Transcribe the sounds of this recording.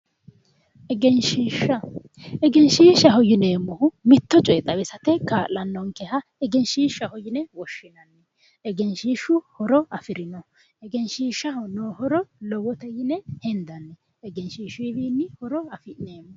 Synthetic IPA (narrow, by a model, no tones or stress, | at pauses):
ʔɛɡɛnʃiːʃːɐ | ɛɡɛnʃiːʃːɐɦɔjɪneːmːɔhʊmɪt̪ːɔt͡ʃʼɔjɛt̪ʼːɐbɛsɐt̪ɛkaːlɐnːɔŋkɛhɐɛɡɛnʃiːʃːɐhɔjɪnɛwɔʃːɪnɐnːɛ | ɛɡɛnʃiːʃʊhɔɾɔɐfɪɾɪnɔ | ɛɡɛnʃiːʃːɐhɔnoːhɔɾɔlɔwɔt̪ɛjɪnɛhɛnd̪ɐnːɛː | ɡɛnʃiːʃʊɪbiːnːɪhɔɾɔɐfɪneːmːɔ